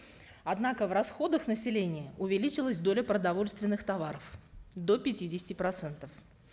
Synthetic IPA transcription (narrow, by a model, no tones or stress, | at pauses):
ɐd̪nakəvrɐsxo̞d̪əxnəsʲɪlʲenʲɪjəʔʊvʲɪlʲit͡ɕɪlˠəsʲd̪o̞lʲəpɾəd̪ɐvo̞lʲst̪vʲɪnːɨxt̪ɐvaɾəfd̪o̞pʲɪtʲidʲɪsʲɪ̥tʲɪpɾɐt̪sɛnt̪əf